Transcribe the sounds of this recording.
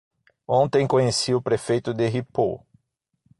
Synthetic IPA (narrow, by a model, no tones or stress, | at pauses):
õnt̪ẽj̃kõɲesiʊpɾefejt̪ʊd̪eɦipo̰